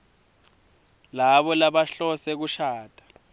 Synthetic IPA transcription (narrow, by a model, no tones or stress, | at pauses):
laβɔlaɓaɬɔsɛk̬uʃaːtʼḁ